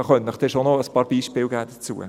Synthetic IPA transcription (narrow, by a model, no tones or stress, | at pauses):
ɑχœntnəχd̥ɛʃonɔəspɑːɾb̥iːʃpɪːlɡæːd̥ət͡suːə̰